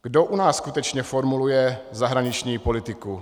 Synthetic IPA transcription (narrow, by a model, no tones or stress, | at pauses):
ɡ̥do̞ʔunaːssːkut̪ɛt͡ʃɲɛfo̞ɾmulujɛzaɦɾaɲɪt͡ʃɲiːpo̞lɪt̪ɪku